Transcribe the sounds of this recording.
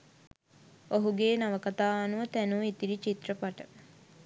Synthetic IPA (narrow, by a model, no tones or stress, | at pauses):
oɦuɡeːnɐʋəkɐt̪aːanuʋɐt̪ænuit̪iɖit͡ʃit̪rəpaʈə